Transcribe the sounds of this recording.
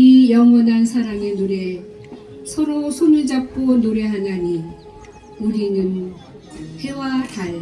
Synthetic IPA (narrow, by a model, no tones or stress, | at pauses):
ijʌŋwʌnansʰaɾaŋenuɾe | sʰʌɾosʰunɯɭd͡ʑap̚k͈onoɾeɦanaɲi | uɾinɯn | hewataɭ